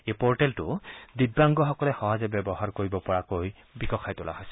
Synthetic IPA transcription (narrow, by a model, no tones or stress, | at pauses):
ejpɔɹʈɛltʊ̰did̚baŋɡɔxɔkɔlɛxɔɦazɛbjɛbɔɦaɹkoɹibɔpɔɹakoj | bikɔxʰajtʊla̰ɦɔjsɛ̥